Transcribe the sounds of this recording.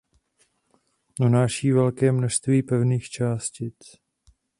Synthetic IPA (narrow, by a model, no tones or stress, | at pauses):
unaːʃiːvɛlkɛːmnoʃst̪viːpɛvniːxt͡ʃaːscɪt͡s